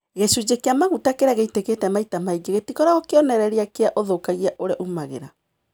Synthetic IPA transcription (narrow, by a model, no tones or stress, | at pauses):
ɣesud͡ʑekeamaɣutakeɾaɣeiteketɛmaitamaiɡeɣetikɔɾaɣɔkeɔnɛɾɛɾeakeaʔoðokaɣiaʔoɾaʔumaɣḛɾa